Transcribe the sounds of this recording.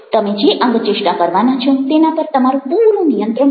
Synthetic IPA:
t̪əmed͡ʒeʔə̃ŋɡt͡ʃɪʂʈakəɾʋanat͡ʃʰɔ̃t̪enapəɾt̪əmaɾũpuɾũnijənt̪ɾə

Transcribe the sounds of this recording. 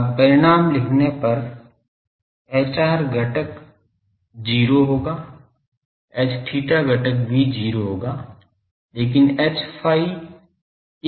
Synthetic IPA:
pɐɾɪɽ̃aːmlɪkʰnepɐɾ | ɛːt͡ʃaːɾɡʱɐʈək | d͡ʒiːɾoɦoːɡaː | ɛːt͡ʃʈʰiːʈaɡəʈək̚bʱid͡ʒiːɾoɦoːɡaː | leːk̬ɪnɛːt͡ʃpʰaːi

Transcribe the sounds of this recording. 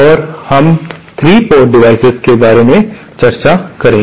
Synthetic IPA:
ɔːɾhɐmt̪ʰɾiːpɔːʈɖɪʋaːɪsɪzkebaːɾemẽ | t͡ʃɐɾt͡ʃakɐɾẽː

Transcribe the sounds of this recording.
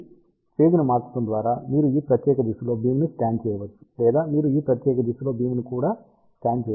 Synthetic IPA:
t͡ʃeːɡ̪inɐmaːt͡ʃu̥t̪und̪ʋaːɾaːmiːɾuiːpɾɐt̪jɛːkɐd̪isulo̞ːbiːmunisʈaːnt͡ʃɛːjɐʋɐt͡ʃːu̥lɛːd̪aːmiːɾuiːpɾɐt̪jɛːkɐd̪isulo̞ːbiːmunikuːɽaː | sʈaːnt͡ʃɛː

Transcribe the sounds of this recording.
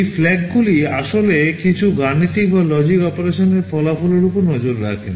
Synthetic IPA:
jflɛɡɡuliaʃolekit͡ɕʰuɡanːit̪ik̚balɔd͡ʑikɔpoɾeʃoneɾfɔlafɔloɾupoɾnɔd͡ʑoɾːa̰kʰḛn

